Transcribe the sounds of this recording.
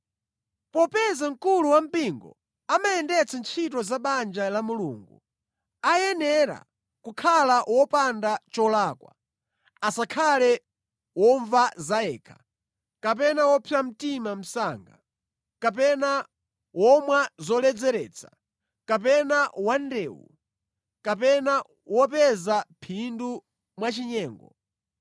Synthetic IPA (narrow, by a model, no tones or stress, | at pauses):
pɔpɛzaŋ̩kuluwam̩piŋɡɔ̰ | amajɛndɛt͡sʰant͡ʃʰit̬ɔzaɓand͡ʒalamulṵːŋɡu | ajɛnɛɾa̰ | kukʰalaʔwɔpandat͡ʃɔlaːkwa̰ | asakʰalɛ | wɔɱvazaɛːkʰḁ | kap̬ɛnawɔpʰiam̩timam̩saːŋɡa | kapɛna | wɔmwazɔlɛd͡zɛɾɛt͡sʰḁ | kap̬ɛnawandɛːwṵ | kapɛna | wɔpɛzapʰindu | mwat͡ʃiɲɛːŋɡɔ